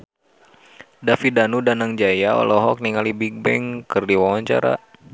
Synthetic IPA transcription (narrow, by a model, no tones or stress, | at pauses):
dafidanudanaŋd͡ʒajaɔ̰lɔɦɔk̚niŋalibik̚bɛŋkɨrdiwawaɲt͡ʃa̰ɾa̰